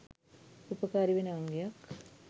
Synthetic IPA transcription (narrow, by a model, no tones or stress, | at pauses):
upəkaːɾiʋenəaŋɡejak